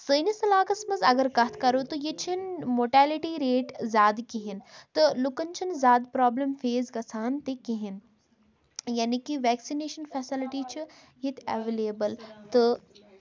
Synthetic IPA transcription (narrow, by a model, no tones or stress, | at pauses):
səjnisɐlaːkɐsmɐzɐɡəɾkɐt̪ʰkɐɾoːt̪ɨjet͡ʃʰinmoːʈaːliʈiːɾeːʈzʲaːd̪kiɦɪnt̪ɨlukənt͡ʃʰinzʲaːd̪pɾaːblɐmfeːzɡɐsʰaːnt̪ekiɦin | jaːnikiʋɛːksineːʃənfɛːsɪlɪʈiːt͡ʃʰi | jit̪ʰɛ̰ʋeːleːbəlt̪ɨ